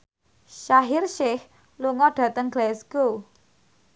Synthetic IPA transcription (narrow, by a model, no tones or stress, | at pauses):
ʃaɦɪrʃɪh | luŋɔɖ̥ä̤t̪əŋɡ̥lɛsɡ̥o